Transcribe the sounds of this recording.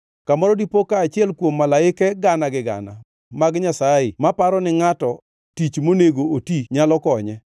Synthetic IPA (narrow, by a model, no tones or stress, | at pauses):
kamɔɾɔdipokaːt͡ʃɪɛlkwomːalaɪkɛɡanaɡɪɡa̰na̰ | maɡɲasaɪmapaɾɔnɪŋatɔ | tit͡ʃmoneɡootiɲalɔkɔɲɛ